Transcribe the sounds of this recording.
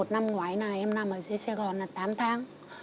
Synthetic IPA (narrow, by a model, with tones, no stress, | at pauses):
o˨˩t̚na˧mŋwaː˨˦jnaː˨˩ʔɛ˧mna˧˩mʔəː˧˩zə˧˦sɛ˧ɣɔ˨˩nlaː˨˩t̪aː˨˦mt̪ʰaː˨˦ŋ